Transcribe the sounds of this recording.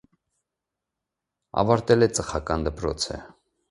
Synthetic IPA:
ɑ̰vɑɾt̪ɛlɛt͡səχɑkɑnd̪əpɾɔ̰t͡sʰə̰

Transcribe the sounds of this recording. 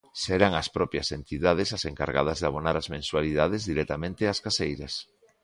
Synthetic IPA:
sɛɾaŋaspɾɔpjɐsent̪iðað̞ɪsaseŋka̰ɾɣa̰ð̞ɐzðaβ̞onaɾazmẽnswaliðað̞ezðiɾɛt̪amẽnt̪ɪaskasejɾɐs

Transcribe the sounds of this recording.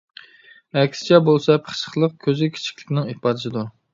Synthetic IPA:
ɛkʲsɪ̥t͡ʃʰɛbolˠsɛpʰəχʃə̥χlˠəq̚kʲʰøzʲikʲʰe̥t͡ʃʰi̥kʲlɪ̥kʲnɪŋipɑd̪ɨsɪd̪u

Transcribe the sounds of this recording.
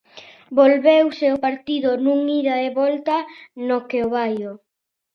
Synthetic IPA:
bolβewseopaɾt̪iðonũŋiɾaeβɔlt̪ɐanokeoβajo

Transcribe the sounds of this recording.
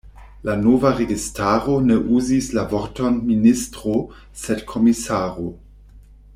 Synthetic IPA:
lanovaʁeɡistaːɾo̞neʔuzislavoɾto̞nministʁo | sedkʰo̞misaːɾo

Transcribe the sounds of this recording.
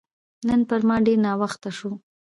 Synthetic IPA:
nənpəɾmɑɖeɾnɑwaxt̪aʂu

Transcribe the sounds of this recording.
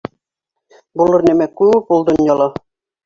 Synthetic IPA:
bulˠɤ̆ɾnæmækʉjupolˠd̪ŏnjɑlˠɑ

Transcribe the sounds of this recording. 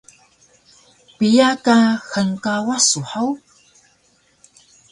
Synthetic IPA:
pijakaxəŋkawasuħaw

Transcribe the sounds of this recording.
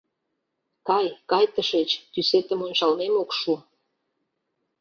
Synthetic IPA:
kɑjkɑjt̪əʃet͡ɕt̪yset̪ə̆monʃɑlmemokʃu

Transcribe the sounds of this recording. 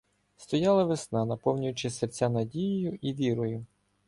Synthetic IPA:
st̪ɔjɑlˠɐʋɪsnɑnɐpɔwnʲʊjʊt͡ʃɪsert͡sʲanɐdʲijijʊʔiʋʲiɾɔjʊ

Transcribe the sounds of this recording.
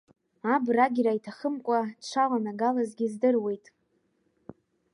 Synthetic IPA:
abraɡʲɾaitʰaχəmkʷʼadʈ͡ʂʷʰalanaɡalazɡʲizdɨrwe̞jtʼ

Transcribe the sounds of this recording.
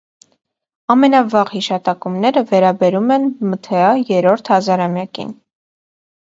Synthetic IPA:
ɑmɛnɑvɑʁhiʃɑt̪ɑkumnɛɾəvɛɾɑbɛɾumɛnmət̪ʰɛɑjɛɾɔɾt̪ʰhɑzɑɾɑmjɑkḭn

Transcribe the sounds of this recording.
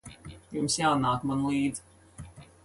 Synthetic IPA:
jumsjaːnaːkmanlˠiːd̪z

